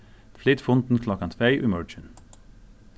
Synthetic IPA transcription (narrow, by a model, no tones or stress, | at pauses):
flɪt̪fʊnt̪n̩kʰlɑkɑnt̪ʰfeɪʔiːmœɹd͡ʒən